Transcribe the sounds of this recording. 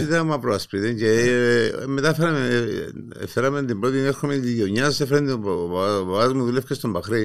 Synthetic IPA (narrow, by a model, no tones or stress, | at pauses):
iðɐmɐpɾoɐspiðeɲce | met̪ɐfeɾɐmḛ | feɾɐment̪imbɾot̪imeɾxomet̪iʝoɲːɐsefɾɐno | ɐmuðulefcest̪ombɐxɾi